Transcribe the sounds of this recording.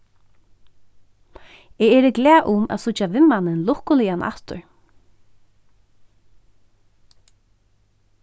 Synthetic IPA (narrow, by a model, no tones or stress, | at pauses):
ɛːɛːɾɪɡlɛːʔʊma̰ðsʊt͡ʃːavɪmːanɪnlʊhkʊlianʔa̰ht̪ʊ̰ɹ